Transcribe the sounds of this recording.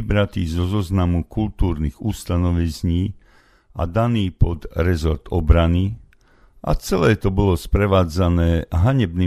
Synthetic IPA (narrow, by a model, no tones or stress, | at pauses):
bɾat̪iːzɔzɔznamukult̪uːɾniɣust̪anɔʋizɲiː | ʔa̰d̪aniːpɔd̪ɾɛzɔɾt̪ɔbɾani | ʔa̰t͡sɛlɛːt̪ɔbɔlɔspɾɛʋaːd͡zanɛːɦaɲɛbni